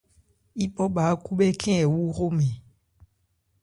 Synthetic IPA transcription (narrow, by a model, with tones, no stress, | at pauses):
i˦ɓɔ˦ɓa˨˦ku˦ɓɛ˦kʰɛ̃˦ɛ˨wu˦ɣo˦mɛ̃˨